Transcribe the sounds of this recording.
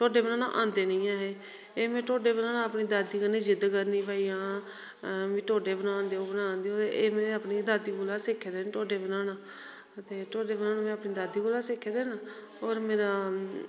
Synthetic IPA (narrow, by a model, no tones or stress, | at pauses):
ʈoːɖeːbənãːnã̰ʔã̰ːnd̪eːnəĩːaːɦeː | eːmɛ̃ːʈoːɖeːbənaːnãːəpniːd̪aːd̪iːkənẽːd͡ʒɪd̪kəɾnĩːpaːijãː | ʋĩːʈoːɖeːbənãːnd̪eːoːbənãːnd̪eːoːt̪eʔeːmɛ̃ːəpniːd̪aːd̪iːboːlaːsɪkʰːeːd̪eːnʈoːɖeːbənaːnãː | ət̪eːʈoːɖeːbənãːnãːmɛ̃ːəpniːd̪aːd̪iːboːlaːsɪkʰːeːd̪eːnaː | oːɾmeːɾaː